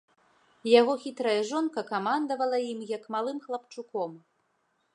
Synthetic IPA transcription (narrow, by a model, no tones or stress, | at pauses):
jaɣɔxʲit̪ɾɐjɐʐɔnkɐkamand̪ɐvɐlˠɐimjɐkmalˠɨmxlˠɐpt͡ʂukɔm